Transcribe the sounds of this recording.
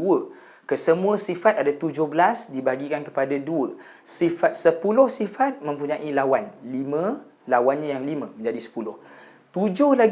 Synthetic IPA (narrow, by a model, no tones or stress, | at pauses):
uə | kəsəmũãsifat̪̚adat̪ud͡ʒʊhbəlasdibaɡikankə̥padaduə | sifat̪̚səpulʊhsifat̪̚mə̃mpuɲãʔilawanlimã | lawanɲãjaŋlimãmə̃ɲd͡ʒadisə̥pulʊh | t̪ud͡ʒʊhlaɡ